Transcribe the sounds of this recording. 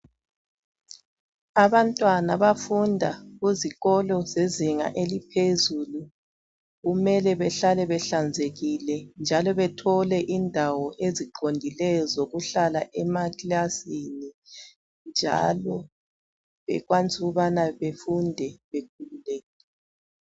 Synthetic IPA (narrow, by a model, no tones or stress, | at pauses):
aβantʼwanaβafundʱaɣuziɣɔlɔzeziŋa̰ʔelipʰezulu | ɣumɛlɛβɛɬalɛβɛɬand͡zʱeɣilɛnd͡ʒʱalɔβɛtʰɔlɛʔindʱawɔʔeziǃondʱilɛjɔzoɣuɬalaʔɛmakilasini | nd͡ʒʱa̰lɔ | βɛ̰ɣwant͡sʼuɣuβanaβefundʱɛβek̚ʰululeɛɣi